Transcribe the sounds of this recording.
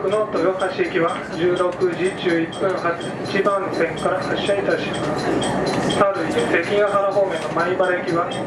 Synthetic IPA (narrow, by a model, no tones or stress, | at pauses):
kɯ̟not̪ːojohaɕiekʲiβa | d͡ʑɨːɾo̞kɯ̟d͡ʑid͡ʑɨːipːɯ̃ɰha | t͡ɕibãñsẽ̞ŋkaɾahaɕːait̪aɕimas | saɾɯ̟ise̞kʲĩŋɡaɦaɾaɦoːmenomaibaɾekʲiβa